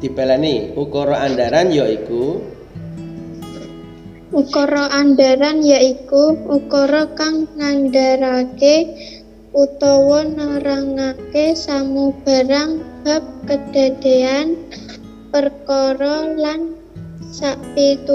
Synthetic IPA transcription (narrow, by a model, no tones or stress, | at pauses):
d̪̥i̤b̥elaniukɔɾɔandaɾanjaiku | ukɔɾɔʔandaɾanjaʔikuukɔɾɔkaŋːanɖaɾake | ut̪ɔwɔnaɾaŋakesamub̥a̤ɾaŋb̥a̤p̚kəd̥a̤d̪̥e̤an | pərkɔɾɔlan | saʔpit̪u